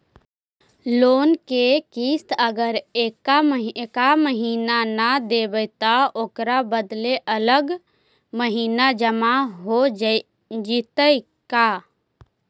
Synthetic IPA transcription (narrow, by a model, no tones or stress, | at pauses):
loːnkekist̪əɡəɾeːkːamɦkaməɦiːnanad̪ebəjt̪aoːkɾabəd̪leʔələɡ | məɦiːnad͡ʒəmaɦo | d͡ʒit̪əj | ka